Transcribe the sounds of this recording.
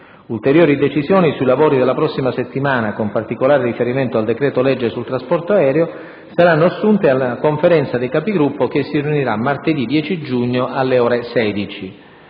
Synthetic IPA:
ult̪eɾjɔːɾid̪et͡ʃizjɔːnisujlavoːɾid̪elːapɾɔsːimaset̪ːimaːnakompart̪ikolaːɾerifeɾiment̪oald̪ekɾɛːt̪olɛd͡ʒːesult̪ɾaspɔrt̪oaɛːɾeo | saɾanːoasːunt̪ealːakoɱfeɾɛnt̪sad̪ekapiɡɾupːok̟esːiriuniɾamːart̪ed̪id̪ːjɛːt͡ʃid͡ʒuɲːoʔalːeɔːɾesɛːd̪it͡ʃi

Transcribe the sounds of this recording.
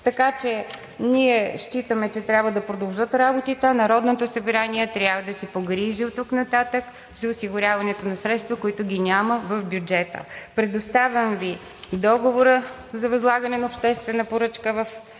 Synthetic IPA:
t̪ɐkat͡ʃɛ | niɛʃt͡ʃit̪əmɛt͡ʃɛt̪ɾʲabvəd̪ɐpɾod̪ɐlˠʒɤt̪ɾabot̪it̪ənɐɾɔd̪not̪osəbɾaniɛt̪ɾʲabvəd̪ɐsipoɡɾiʒiot̪ːuknɐt̪at̪ək | zɐʊsiɡʊɾʲavɐnɛt̪onɐsɾɛt̪st̪vɐkoit̪ʊɡʲinʲaməvɐfbʲjud͡ʒɛt̪ə̰pɾɛd̪ʊst̪avʲɐmvi | d̪ɔɡovoɾə | zɐvɐzlˠaɡənɛnɐʊpʃt̪ɛst̪vɛnəpoɾɤt͡ʃkəvɐf

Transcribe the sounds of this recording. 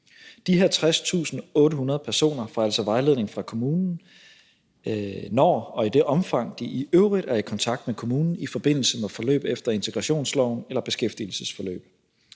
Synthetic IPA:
d̥iheɐt͡sʰʁast͡sʰṵːsn̩ɔ̽ːɾəɦunɐð̞̩ˠpʰæɐso̝̰ːnɐfɑ̈ælsɒʋɑ̈ɪle̝ð̞̰ˠne̝ŋfʁɑ̈kʰo̝muːnn̩ | nɒ̰ːɒ̽id̥e̝ʔɒ̽mfɑ̈ŋ̰d̥iʔiʔøʊʁid̥æɐikʰɒ̽nt͡sʰɑ̈ɡ̥d̥mekʰo̝muːnn̩ifɒ̽b̥e̝n̰l̩səmefɒ̽lø̰ːb̥efd̥ɐe̝nt͡sʰe̝ɡ̥ʁɑ̈ɕo̝̰ːnslɒʊnelɐb̥e̝sɡ̥efd̥il̩səsfɒ̽lø̰ːb̥

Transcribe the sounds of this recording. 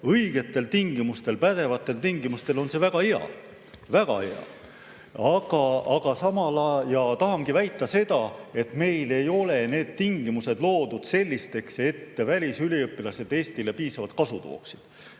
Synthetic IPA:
ɤjɡ̥e̞t̪ːˑe̞lt̪iŋɡimust̪e̞lpæd̪̥e̞vɑt̪ːˑe̞lt̪iŋɡ̥imust̪e̞lo̞nse̞væɡ̥ɑheɑ̰ | væɡ̥ɑ̰heɑ̰ | ɑɡ̥ɑɑɡ̥ɑsɑmɑlɑjɑt̪ɑɦɑŋɡ̥ivæjt̪ˑːɑse̞d̪̥ɑe̞t̪me̞jle̞jo̞le̞ne̞ːd̪̥̚t̪iŋɡimuse̞d̪̥lo̞ːd̪̥ud̪̥se̞lʲːist̪e̞kse̞t̪ːevælʲisyliɤpːˑilɑse̞d̪̥e̞ːst̪ile̞piːsɑvɑt̪̚kɑsut̪o̰ːksi̥d̪̥

